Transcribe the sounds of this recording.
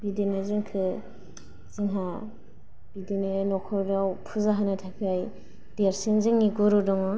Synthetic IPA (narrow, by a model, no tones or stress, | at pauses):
bidinɯzɯŋkʰɯ | z̥iŋɦa | b̥idinɯnɔkʰɔɾdawpʰuzaɦanɯtʰakʰiaj | d̥eɾsinziŋːiɡuɾudɔŋɔ